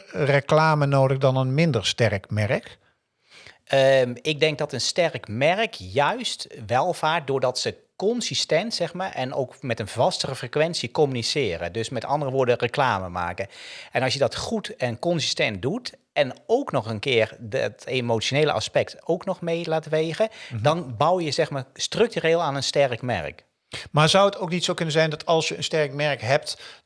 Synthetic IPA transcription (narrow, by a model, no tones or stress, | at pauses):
rəklaːmənoːdəɣdɔnənmɪndəɹstɛɹkmɛɹək | əɪɡ̚dɛŋk̚dɔtənstɛrkmɛrəkjœɥstʋɛlˠvaːɹt̚dʊːɹdɔtsə | kɔnsistɛntsɛxmaːɹʔɛno̰wkmɛtənvɑstərəfrekʋɛnsikɔmynisɪːɾə̰døsmɛtɑ̰ndərəʋʊːɹdərəklaːməma̰ːkəɛnɑls̬jədɔtxutɛnkɔnsistɛnt̚dut | ɛnowknɔxənkɪːərtemowtsjoneːlə̰ʔa̰spɛktowknɔxmejlaːtʋeːɣədɑnbawjjəzɛxmaːɹstrɵk̚tyɾeːlˠaːnənstɛrkmɛ̰rk | maːɹzʌwətowknitsowkɵnənzɛjndɑtʰɑlˠsjəənstɛɹkmɛɹkɦɛp̚t